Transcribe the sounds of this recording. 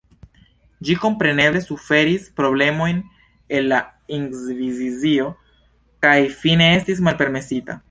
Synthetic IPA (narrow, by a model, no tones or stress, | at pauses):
d͡ʒiko̞mpɾe̞ne̞ble̞sufe̞ɾispɾo̞ble̞mo̞jn | e̞lːaiŋɡzvizizio̞ | kajfine̞estis̬malpe̞ɾme̞sita̰